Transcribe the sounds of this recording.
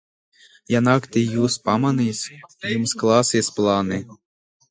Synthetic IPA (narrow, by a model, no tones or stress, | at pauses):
janɑkt̪ijuspɑmɑnɨsʲjimsklˠɑsɨsplˠɑnɨ